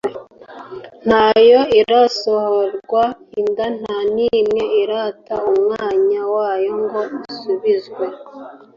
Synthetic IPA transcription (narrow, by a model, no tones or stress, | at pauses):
n̥hajo̞iɾaso̞hoɾɡwaindan̥hanimŋe̞iɾataumŋaːɲawaːjo̞ŋɡo̞usuβizɡwe̞